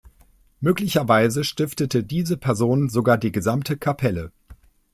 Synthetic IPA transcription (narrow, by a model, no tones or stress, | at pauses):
møːklɪçɐvaɪzəʃtɪftətədiːzəpʰɛɐzoːnzoɡaːɐdiːɡəzamtʰəkʰapʰɛlə